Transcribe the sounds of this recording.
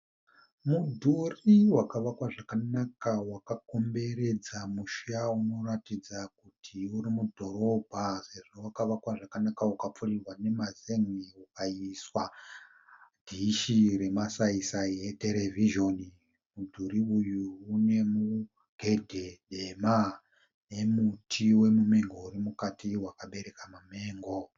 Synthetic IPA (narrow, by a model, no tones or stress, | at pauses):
mudʱuriwakaʋakwaʐakanakawakako̞mbe̞ɾe̞d͡zamuʃauno̞ratid͡zakutʰiuɾimudʱo̞ɾo̞bʱase̞ʐo̞wakaʋakwaʐakanakaukap͡furirwane̞mazeŋiukaiswa | d̥ʱiʃire̞masaisaiete̞ɾe̞viʒo̞ni | mudʱuɾiujuune̞mu | ɡʱe̞dʱe̞ɗema | ne̞mutʰiwe̞mume̞ŋɡo̞urimukatʰiwakaɓe̞ɾe̞kamameːŋɡo̞